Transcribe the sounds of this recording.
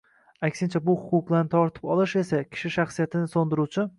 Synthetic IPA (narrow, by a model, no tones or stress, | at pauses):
akʲsɪnt͡ʃʰabʊhʊqʊq̚blˠaɾnɪt̪ʰɒɾt̪ʰɪ̥pɒlˠɪʃe̞sakʲʰɪ̥ʃɪʃaχsijat̪ʰɪnɪsond̪ɪɾut͡ʃʰɪ